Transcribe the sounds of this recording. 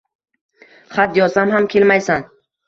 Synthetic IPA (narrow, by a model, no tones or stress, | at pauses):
χat̪jɒsamɦamkʲʰe̞lmajsan